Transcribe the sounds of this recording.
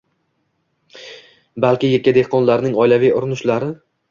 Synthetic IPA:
balkʲɪjekʲːad̪e̞hqʰɒnlaɾnɪŋɒjlavijʊɾɪnʊʃlaɾɪ

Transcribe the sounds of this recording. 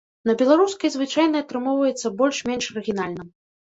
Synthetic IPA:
nɐbʲɛlˠaɾuskɐjzvɨt͡ʂajnɐɐt̪ɾɨmɔwvɐjɛt̪sːɐbɔlʲʂmʲɛnʂɐɾɨɣʲinalʲnɨm

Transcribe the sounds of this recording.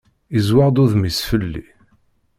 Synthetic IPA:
izwaʁd̪uðmisfəlːḭ

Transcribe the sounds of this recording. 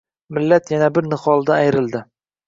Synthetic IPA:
mɪlːat̪janabɪɾnɪχɒlˠd̪aajɾɪld̪ɪ

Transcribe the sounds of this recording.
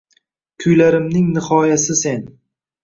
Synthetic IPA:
kʲʰʊjlaɾɪmnɪŋnɪhɒjasɪse̞n

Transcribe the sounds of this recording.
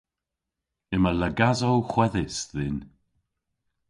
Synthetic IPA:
ɪmələɡazowxwɛðɪsðɪn

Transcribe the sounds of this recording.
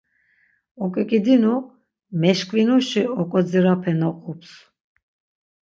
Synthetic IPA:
ɔkʼɛkʼid̪inu | mɛʃkʼvinuʃiɔkʼɔd͡ziɾapʰɛnɔqʼups

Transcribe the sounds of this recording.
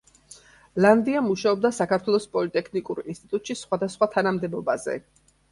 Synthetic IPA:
land̪iamuʃaɔb̚d̪asakʰaɾt̪ʰwɛlˠɔspʼɔlit̪ʼɛkʰnikʼuɾinst̪ʼit̪ʼut̪ʼʃisχwad̪asχwat̪ʰanamd̪ɛbɔbazɛ̰

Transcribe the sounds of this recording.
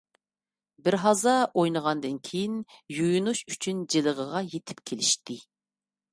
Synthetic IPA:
bɪɾɦɑzɑʔojnəʁɑnd̪ɨnkʲʰejinjujunuʃyt͡ʃʰynd͡ʒeləʁəʁɑjet̪ʰɪ̥p̚kʲʰelɪʃt̪ɪ

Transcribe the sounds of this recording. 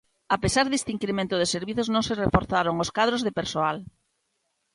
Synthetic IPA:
apesaɾðest̪iŋkɾemẽnt̪ʊð̞eseɾβiθoznõŋserefoɾθaɾoŋoskaðɾozðepeɾsoal

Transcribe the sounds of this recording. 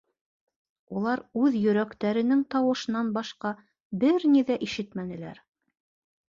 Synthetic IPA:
ulˠɑɾʉðjɵ̆ɾækt̪æɾɘ̆nɘŋt̪ɑwɤ̆ʃɤ̆nɑnbɑʃqɑ | bɘɾniðæʔiʃɘt̪mænɘ̆læ̰ɾ

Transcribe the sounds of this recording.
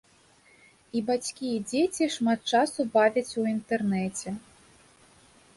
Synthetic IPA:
ibat͡sʲkʲijɛd͡zʲet͡sʲiʂmat̪̚t͡ʂasubavʲɐt͡sʲuint̪ɛrnɛt͡sʲɛ

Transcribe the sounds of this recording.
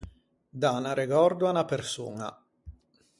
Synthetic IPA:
d̪anaɾeɡɔrd̪uanapersṵːŋa̰

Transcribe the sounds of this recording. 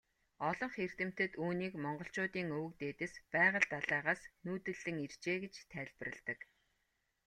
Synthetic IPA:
ɔɮɞ̆ɴχer̥t̪ɘ̆m̥t̪ɘ̆t̪uːniːkmɔɴɢɞ̆ɬt͡ɕʊːt̪iːŋɵwɘ̆k̚t̪eːt̪ɘ̆spæːʁə̆ɮt̪aɮæːʁaːsnuːt̪ɘ̆ɮːɘ̆ŋir̥t͡ɕeːɡet͡ɕt̪ʰæːɮʲpə̆rɘ̆ɮt̪ə̆k

